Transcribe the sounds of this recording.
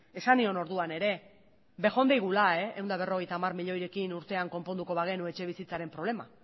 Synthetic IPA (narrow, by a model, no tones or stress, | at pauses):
e̞sanio̞no̞ɾðuane̞ɾe̞ | be̞xo̞nd̪ejɣ̞ulae̞ewnd̪aβ̞e̞ro̞ɣ̞e̞jt̪aːmarmiʎo̞jɾe̞kinuɾt̪e̞aŋko̞mpo̞nd̪uko̞βaɣ̞e̞nue̞t͡ʃe̞β̞isit͡saɾe̞mpɾo̞β̞le̞ma̰